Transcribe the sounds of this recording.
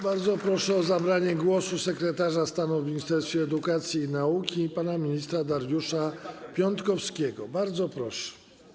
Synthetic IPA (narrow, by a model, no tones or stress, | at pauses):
baɾd̪zɔpɾɔʂɛɔzabɾaɲɛɡwɔsusɛkɾɛt̪aʐast̪anuvmʲiɲist̪ɛɾst̪fʲjɛːd̪ukat̪sʲjiːnaukʲipanamʲiɲist̪ɾad̪aɾjuʂapʲjɔnt̪kɔfskʲɛɡɔbaɾd̪zɔpɾɔʂɛ̥